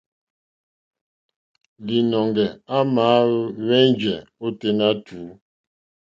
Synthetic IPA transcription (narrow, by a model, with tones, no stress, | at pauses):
li˨nɔ˨ŋɡɛ˨a˦maː˨˦wɛ˦nd͡ʒɛ˨o˦te˦na˦tʰu˨˦